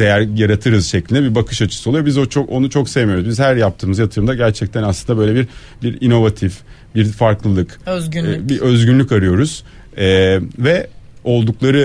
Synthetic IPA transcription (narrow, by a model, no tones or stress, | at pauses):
d̪̥ejæɾjaɾat̪ʰɯɾɯzʃɛclʲind̪ɛbiɾbakʰɯʃat͡ʃʰɯ̥sɯolˠujbizot͡ʃʰoo̞nut͡ʃʰo̞ksejemijo̞ɾuzbizhæɾjap̚t̪ʰɯːmɯzjat̪ʰɯɾɯmd̪aɟæɾt͡ʃʰɛc̚t̪ʰænaslˠɯnd̪abø̞jlʲebiɾ | biɾino̞vat̪ʰifbiɾfaɾklˠɯlˠɯkøbiø̞zɟynlʲyckaɾɯjo̞ɾuz̥ | ɛvɛo̞lˠd̪uklˠaɾɯ